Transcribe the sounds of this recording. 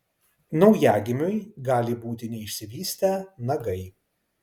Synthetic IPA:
nɐʊjæːɡʲɪmʲʊjɡɑːlʲɪbuːt̪ʲɪnʲɛɪʃʲsʲɪʋʲiːsʲt̪ʲɛnɐɡɐɪ

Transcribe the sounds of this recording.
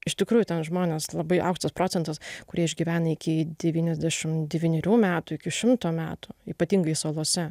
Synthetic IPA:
ɪʃt̪ʲɪkɾuːjʊt̪ʲɛnʒmoːnʲeːslˠɐbɐɪʔɐʊkʃt̪ɐspɾoːt͡sʲɛnt̪ɐskʊɾʲiɛɪʒʲɡʲɪʋʲæːnɐɪkʲɪd̪ʲɛʋʲiːnʲɛzʲd̪ʲæʃʲɪmd̪ʲɛʋʲiːnʲɛɾʲuːmʲæːt̪ʊːɪkʲɪʃʲɪmt̪oːmʲæːt̪uiːpɐt̪ʲiŋɡɐɪsoːlˠoːsʲɛ

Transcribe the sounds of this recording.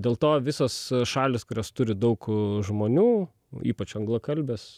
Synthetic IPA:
dʲeːlˠt̪oːʋʲɪsoːsʃɑːlʲɪskʊɾʲoːst̪ʊɾʲɪd̪ɐʊkʒmoːnʲuː | iːpɐt͡ʃɐŋɡlˠokɐlʲbʲeːs

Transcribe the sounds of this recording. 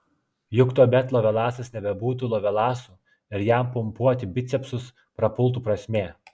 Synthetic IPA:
jʊkt̪oːbʲɛt̪lˠɔːʋʲɛlˠɑːsɐsnʲɛbʲɛbuːt̪̬uːlˠɔːʋʲɛlˠɑːsuː | ɪɾjæmpʊmpuɔt̪ʲɪbʲɪt̪sʲɛpsʊs | pɾɐpʊlˠt̪̬uːpɾɐsʲmʲeː

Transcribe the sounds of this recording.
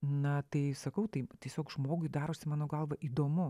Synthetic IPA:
nɐt̪ɐɪsɐkɐʊt̪ɐɪtʲiɛsʲoːkʒmoːɡʊɪd̪ɑːɾoːsʲɪmɑːnoːɡɐlˠʋɐʔiːd̪oːmʊ

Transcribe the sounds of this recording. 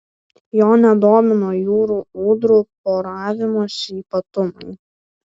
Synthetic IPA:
joːnʲɛd̪oːmʲɪnoːjuːɾuːuːd̪ɾuːpoːɾɑːʋʲɪmoːʃʲiːpɐt̪ʊmɐɪ

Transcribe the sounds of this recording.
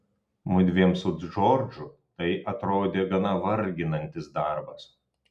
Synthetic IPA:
mʊd̪ʲʋʲeɛmsʊʒoːɾʲd͡ʒʲʊt̪ɐɪʔɐt̪ɾoːd̪ʲeːɡɐnɐʋɐɾʲɡʲɪnɐnʲt̪ʲɪsd̪ɑˑɾbɐs

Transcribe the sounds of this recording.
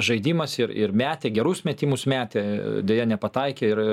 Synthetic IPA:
ʒɐɪd̪ʲiːmɐsɪɾɪ̰ɾmʲæːt̪ʲeːɡʲɛɾʊsmʲɛt̪ʲiːmʊsmʲæːt̪ʲeːd̪ʲeːjɛnʲɛpɐt̪ɐɪkʲeːɪɾɪ

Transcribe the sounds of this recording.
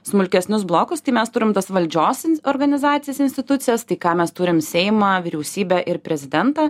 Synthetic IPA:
smʊlʲkʲɛsʲnʲʊsblˠoːkʊst̪ɐɪmʲɛst̪ʊɾʲɪmt̪ɐsʋɐlʲd͡ʒʲoːsɔɾɡɐnʲɪzɑːt̪ʲɪjɛsɪnsʲt̪ʲɪt̪ʊt̪sʲɪjɛst̪ɐɪkɑːmʲɛst̪ʊɾʲɪmsʲɛɪmɑːʋʲɪɾʲɛʊsʲiːbʲɛʔɪɾpʲɾʲɛzʲɪd̪ʲɛnt̪ɑ

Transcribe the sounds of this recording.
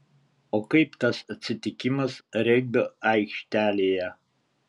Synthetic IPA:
oːkɐɪpt̪ɐsɐt̪ʲsʲɪt̪ʲɪkʲɪmɐsɾʲɛɡ̚b̪ɐɐɪkʃʲt̪ʲæːlʲeːjɛ

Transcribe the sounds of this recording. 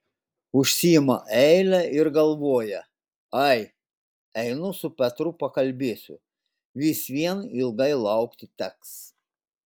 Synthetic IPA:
ʊʃʲsʲijɪmɐʔɛɪlʲæɪɾɡɐlˠʋoːjɛ | ɐɪ | ɛɪnʊsʊpʲɛt̪ɾʊpɐkɐlʲbʲeːsʲʊ̰ | ʋʲiːsʋʲiɛniɪlˠɡɐɪlˠɐˑʊkt̪ʲɪt̪ʲɛks

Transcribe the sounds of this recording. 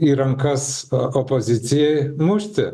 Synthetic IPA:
iːɾɐŋkɐsopozʲɪt̪sʲɪjɛɪmʊʃʲt̪ʲɪ

